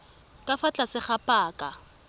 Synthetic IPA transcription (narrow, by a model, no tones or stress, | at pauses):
kʼafat͡ɬʼasɪχapʼaːkʼa